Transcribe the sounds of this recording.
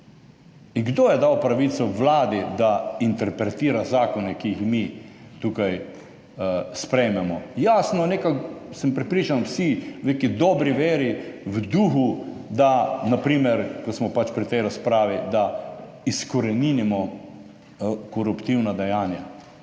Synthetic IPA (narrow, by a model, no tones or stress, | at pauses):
iŋɡd̪oːjɛd̪awpɾaʋit̪sɔʋlaːd̪id̪aint̪ɛɾpɾɛt̪iːɾazaːkɔnɛkiixmit̪ukaj | spɾɛjmɛmɔjasnɔnekaksəmpɾɛpɾiːt͡ʃanwsiwnekid̪ɔːbɾiʋeːɾiwd̪uxud̪anapɾiːmɛɾkɔsmɔpat͡ʃpɾit̪ɛjɾaspɾaːʋid̪a | iskɔɾɛniːnimɔ | kɔɾupt̪iwnad̪ɛjaːnja